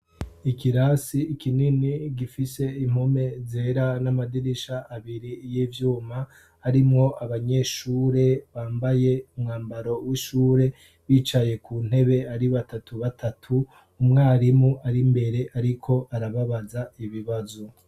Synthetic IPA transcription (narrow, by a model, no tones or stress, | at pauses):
ikiɾasiːkʰininiɡifise̞im̥home̞ze̞ɾanamadiɾiʃaːβiɾijiːvjuːma | haɾimŋo̞ʔaβaɲe̞ːʃuːɾe̞βaːmbaje̞umŋaːmbaɾo̞wiʃuːɾe̞ | βiːt͡ʃaje̞kuːn̥he̞βe̞aɾiβatatʰuβatʰatʰuː | mŋaːɾimuʔaɾimbe̞ɾe̞ʔaɾikʰo̞ʔaɾaβaβazaiβiβazo